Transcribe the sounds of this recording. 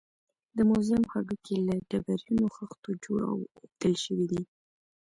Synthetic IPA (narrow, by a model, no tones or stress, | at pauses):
d̪əmʊzɪmxaɡəkʰelaɖabaɾjunoxəxt̪od͡ʒoɽa̰wt̪əlʃəwid̪i